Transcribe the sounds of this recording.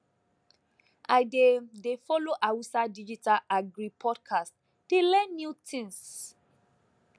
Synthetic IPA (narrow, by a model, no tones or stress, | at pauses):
ʔajdedefɔloʔawusadid͡ʒitalaɡɾipʰɔdkʰast | d̥elɛ̃nːjutʰĩns